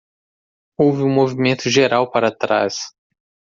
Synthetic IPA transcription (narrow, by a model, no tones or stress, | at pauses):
owvɪũmovimẽnt̪ʊʒeɾawpaɾat̪ɾa̰s